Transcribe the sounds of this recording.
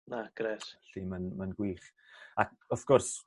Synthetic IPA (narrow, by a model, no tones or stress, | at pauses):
naɡ̥ɾɛɾɬiːmanmanɡwiːχak̚ɔθɡ̥ɔrs